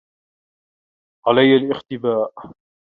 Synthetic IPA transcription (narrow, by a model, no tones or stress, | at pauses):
ʕalajːalʔɪxt̪ɪbaːʔ